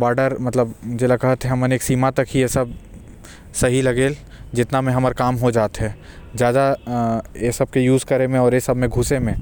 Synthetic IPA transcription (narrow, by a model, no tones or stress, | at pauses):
baːɾɖəɾmɐt̪ləbd͡ʒeːlakɐɦət̪ɦɛɦɐməneːksiːmat̪ɐkɦijesɐb̚ | sɐɦilɐɡeːl | d͡ʒɪt̪namẽɦɐməɾkaːmɦod͡ʒaːt̪ɦɛː | zjaːd̪a | esɐb̚kejuːzkɐɾemẽɔːɾjesɐbmẽɡʱʊsemẽ